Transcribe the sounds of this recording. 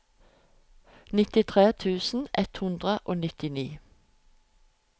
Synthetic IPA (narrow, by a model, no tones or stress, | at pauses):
nɪt̪ɪt̪ʰʁeːt̪ʰʉːsn̩ʔɛt̪hʉnd̪ʁəʔoːnɪt̪ɪniː